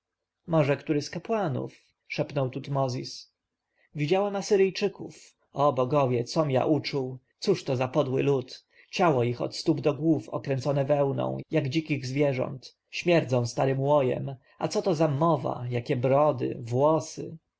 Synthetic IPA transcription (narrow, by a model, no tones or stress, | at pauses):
mɔʐɛkt̪uɾɘskapwanṵf | ʂɛpnɔwt̪ut̪mɔzʲis | vʲid͡ʑawɛmasɘɾɘjt͡ʂɘkuf | ɔbɔɡɔvʲjɛt̪sɔmja̰ʔut͡ʂuwt̪suʂt̪ɔzapɔd̪wɘ̰lut̪ | t͡ɕawɔixɔ̰t̪st̪ubd̪ɔɡwufɔ̰kɾɛnt̪sɔnɛvɛwnɔ̰̃w̃jaɡd͡ʑikʲiɣzvʲjɛʐɔ̰nt̪ | ɕmʲjɛɾd̪zɔ̃w̃st̪aɾɘmwɔjɛ̰m | at̪sɔt̪ɔzamɔva̰jakʲɛbɾɔd̪ɘ̰vwɔsɘ̰